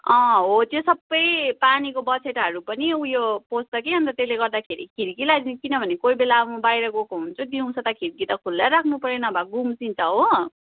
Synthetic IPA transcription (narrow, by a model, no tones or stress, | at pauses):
ʌ̃ɦot̪josʌbːʌjpanikobʌt͡sʰeʈɦʌɾupʌniujopost̪ʌkeɦʌnt̪ʌt̪eleɡʌrd̪akʰeɾḭkʰiɾkilad͡zikinʌbʱʌnekoibelabbajɾʌɡokoɦunt͡sʰud̪iũt͡sʰʌt̪ʌkʰiɾkit̪ʌkʰulːeɾakʰnupʌɾenʌbʱaɡumsint͡sʌɦo